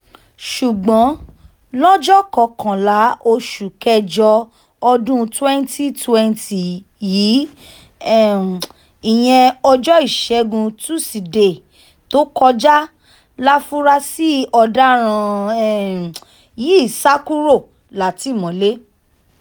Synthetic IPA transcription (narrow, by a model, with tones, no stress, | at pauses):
ʃu˨ɡ͡bɔ̃˨˦ | lɔ˦d͡ʒɔ˦kɔ˧˨kʰã˨la˨˦ʔo˧ʃu˨kɛ˦d͡ʒɔ˧ | ɔ˧dũ˦twɛ̃˦nti˦twɛ˦nti˨ | jiː˨˦ | ɛ˦˨ | ĩ˨j̃ɛ̃˧ɔ˧d͡ʒɔ˦i˦˨ʃɛ˨˦ɡũ˧tu˦si˨de˨ | to˦kɔ˧d͡ʒa˦ | la˦fũ˦ɾa˦si˦ɔ˧da˦ɾ̃ã˧ɛ˦˨ | ji˦i˦˨sa˦ku˦ɾo˦˨ | la˨˦ti˨˦˨mɔ̃˨˦le˦